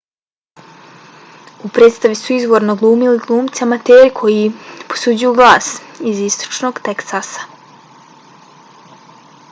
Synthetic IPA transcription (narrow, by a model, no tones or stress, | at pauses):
upɾet̪st̪aʋisuizʋo̞ːɾnoɡlˠuːmiliɡlˠuːmt̪siamat̪eːɾikʰo̞jipo̞̥sud͡ʑujuɡlˠaːsizist̪o̥t͡ʃno̞ɡt̪eksasḁ